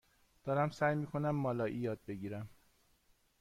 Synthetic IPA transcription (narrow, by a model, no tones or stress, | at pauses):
d̪̥ɒːɾæmsæːjmiːkʰo̞næmːɒːlɒːjʔijɒːd̪̚be̞ɟiːɾæm